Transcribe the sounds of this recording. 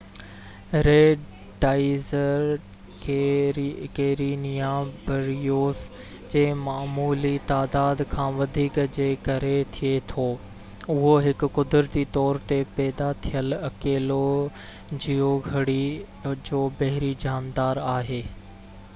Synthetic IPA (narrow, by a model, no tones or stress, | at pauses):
ɾeː | ɖaːɪzəɾ | kʰe | keːɾinijaːbʱɐɾijoːs | d͡ʑeːmaːmuːlit̪aːd̪aːd̪kʰãːʋɐd̪ʱiːkd͡ʑeːkɐɾet̪ʰiet̪ʰoː | ʊɦoɦɪkʊ̆kʊd̪ɾət̪it̪ɔːɾt̪epɛːd̪at̪ʰijəlɐkeːlo | d͡ʑiɦoɡʱɐɽi | d͡ʑoːbɐɦɪɾid͡ʑaːnd̪aːɾaːɦeː